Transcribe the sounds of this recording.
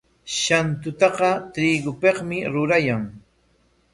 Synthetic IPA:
ʃant̪ʊt̪ɑqɑt̪ɾiɡʊpeqmɪɾʊɾajaŋ

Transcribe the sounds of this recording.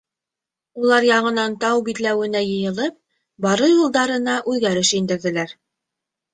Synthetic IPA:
ulˠɑɾjɑʁɤ̆nɑnt̪ɑwbit̪læwɘ̆næjɤ̆jɤ̆lˠɤp̚ | bɑɾɤjulˠd̪ɑɾɤ̆nɑʔʉðɡæɾɘʃind̪ɘ̆ɾðɘ̆læɾ

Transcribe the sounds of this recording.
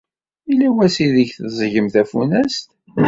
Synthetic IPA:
ilæwæsiðəçθzˤʝəmθæfunæst̪

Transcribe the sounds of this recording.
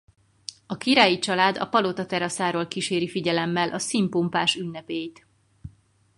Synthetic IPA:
ɒkiɾaːjit͡ʃɒlaːd̪ɒ̰pɒlot̪ɒt̪ɛɾɒsaːɾoːlkiʃeːɾifiɟɛlɛmːɛlʔɒsimpumpaːʃynːɛpeːjt̪

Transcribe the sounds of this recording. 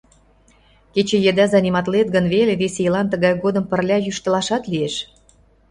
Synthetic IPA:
ket͡ɕĕjĕd̪æzɑnʲimɑt̪let̪̚ɡənβeleβesejəlɑnt̪əɣɑjɣod̪əmpə̆rlʲɑjyʃt̪ə̆lɑʃɑt̪lieʃ

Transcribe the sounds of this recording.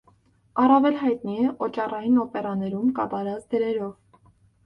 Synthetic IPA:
ɑrɑvɛlɦɑjt̪niɛʔɔt͡ʃɑrɑjinɔpɛɾɑnɛɾumkɑt̪ɑɾɑt͡sd̪əɾɛɾɔv

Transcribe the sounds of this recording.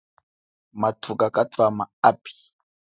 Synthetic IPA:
matʰukakatwamaapi̥

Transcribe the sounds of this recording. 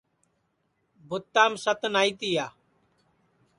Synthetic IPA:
bʱʊt̪ːaːmsət̪naːit̪iːjaː

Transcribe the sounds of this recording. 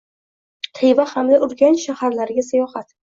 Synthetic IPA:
t̪ʰɪjvahamd̪aʔʊɾɡʲanʃahaɾlaɾɡʲasajɒhat̪

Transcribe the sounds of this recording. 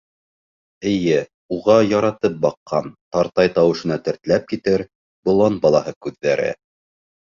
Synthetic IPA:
ɘ̆jɘ | uʁɑjɑɾɑt̪ɤp̚bɑqʰːɑnt̪ɑɾt̪ɑjt̪ɑwɤ̆ʃɤ̆nɑt̪ɘ̆ɾt̪læp̚kit̪ɘɾ | bŏlˠɑnbɑlˠɑhɤkʉðːæɾɘ̰

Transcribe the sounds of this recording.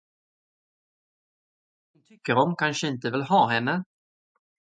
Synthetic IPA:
dʊnt̪ʰʏkːəɾɔmkʰanʂəɪnt̪əvɪlɦɑːɦɛnːə

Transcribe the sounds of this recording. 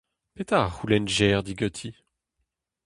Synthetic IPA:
pet̪aʁulɛnʒɛʁd̪iɡɔt̪ʰi

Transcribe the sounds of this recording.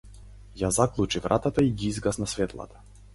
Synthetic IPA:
jazaklˠut͡ʃivɾʔa̰t̪at̪aiɡiizɡasnasvɛt̪lˠa̰t̪ḁ

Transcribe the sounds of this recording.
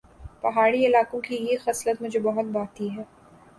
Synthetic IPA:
pɐɦaːɽiɪlaːkõkijexɐslət̪mʊd͡ʒʱebɐɦʊt̪̚baːt̪iɦɛː

